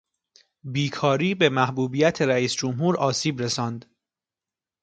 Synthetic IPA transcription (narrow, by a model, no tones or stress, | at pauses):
biːkʰɒːɾiːbe̞mæhbuːbijæt̪ʰeɾæiːsd͡ʒomɦuːɾɒːsiːbɾe̞sɒːnd̪